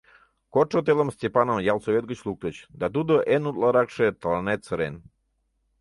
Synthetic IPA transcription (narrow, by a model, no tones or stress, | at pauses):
kot͡ʃot̪̬elˠəmst̪ʲepanomjalˠsovet̪̚ɡət͡ɕlˠuk̚t̪ət͡ɕd̪ad̪ud̪oʔenut̪lˠaɾakʂet̪lˠanet̪t͡səɾen